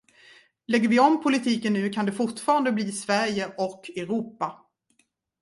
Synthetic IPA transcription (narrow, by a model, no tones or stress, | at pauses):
lɛɡːəɾvɪɔmpʰʊlɪt̪ʰiːkənːʉ̟ːkʰand̪ɛfʊʈfɑːɾand̪əbliːsvæɾjəʔɔkʰːɛɾuːpa